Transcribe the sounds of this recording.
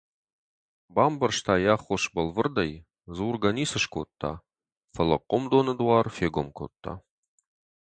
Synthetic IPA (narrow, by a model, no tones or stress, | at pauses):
baːmbɐrʂt̪ʰaːjaːχʷoʂbɐlvɨrd̪ɐj | zuːrɡɐniːsɨʃkʷʰo̰t̪ʰːa̰ | fɐlɐ̰qʷʼɔmd̪onɨd̪wɑːrfeːɡʷomkʷʰo̰t̪ʰʼːa̰